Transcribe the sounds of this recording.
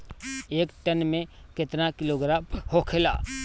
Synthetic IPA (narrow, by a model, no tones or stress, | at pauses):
eːkʈənmẽkɪt̪nakɪloːɡɾaːmhokʰela̰ː